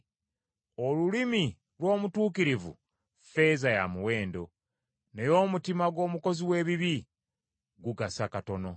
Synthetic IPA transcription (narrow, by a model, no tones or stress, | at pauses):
o̞lulimi | lwo̞ːmutuːkiɾivṵ | fe̞zajamuwe̞ːndo̞ | ne̞jo̞ːmutimaɡwo̞ːmuko̞ziwe̞ːβiβi | ɡuɡasakato̞no̞